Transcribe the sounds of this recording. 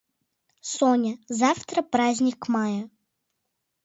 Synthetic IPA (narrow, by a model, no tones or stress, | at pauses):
sonʲəzaft̪ɾəpɾazʲnʲɪkmajə